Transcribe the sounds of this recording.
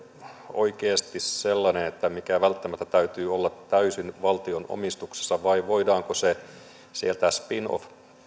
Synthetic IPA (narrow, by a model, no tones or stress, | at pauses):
o̰ikeːst̪isselːɑnenet̪ːæmikæʋælt̪ːæmæt̪ːæt̪æyt̪yːolːɑt̪ːæysinʋɑlt̪iono̰mist̪ukse̥sːɑʋɑiʋoidɑːŋkose | sielt̪æspino̰f